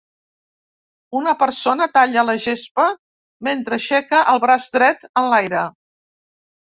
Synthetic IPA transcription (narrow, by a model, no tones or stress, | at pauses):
unəpəɾsonət̪aʎələʒespə | ment̪ɾəʃɛkəʔəlˠβɾazd̪ɾɛt̪ənlajɾə